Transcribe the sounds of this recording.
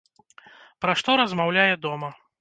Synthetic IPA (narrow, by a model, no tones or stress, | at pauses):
pɾaʂt̪ɔɾɐzmawlʲajɛd̪ɔmɐ